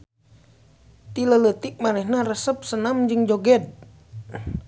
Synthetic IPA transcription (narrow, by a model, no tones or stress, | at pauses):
t̪ilələt̪ik̚manɛhnarəsəp̚sənamd͡ʒɨŋd͡ʒoɡɛd̪̚